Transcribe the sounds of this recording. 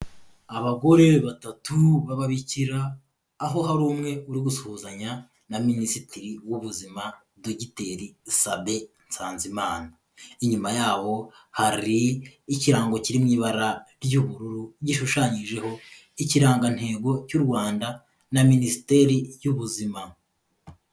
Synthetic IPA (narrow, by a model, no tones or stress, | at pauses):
aβaɡo̞ɾe̞βatatuβaβaβiciɾaː | ɦo̞ɦaɾuːmŋe̞uɾiɡusuhuːzaɲa | naminisitiɾiwuβuzima | doɟite̞ɾisabe̞nt͡saːnzimaːna | iɲumajaːβo̞ | haɾiːciɾaːŋɡo̞ciɾimŋiːβaɾaɾjuβuɾuɾuɟiʃuʃaɲiʒe̞ho̞ | iciɾaːŋɡan̥he̞ːɡo̞cuɾɡwaːnda | naminisi̥te̞ɾijuβuzima